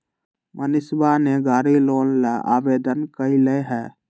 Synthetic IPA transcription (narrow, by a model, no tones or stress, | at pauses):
mənɪsbaneɡaːɾiloːnlaʔa̰bed̪ənkəilɛɦɛː